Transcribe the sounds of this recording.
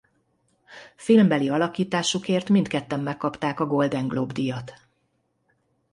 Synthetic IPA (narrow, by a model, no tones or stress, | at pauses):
filmbɛliɒlɒkiːt̪aːʃukeːrt̪mint̪kɛt̪ːɛmːɛkːɒpt̪aːkɒɡo̞ld̪ɛŋɡlobd̪ijɒt̪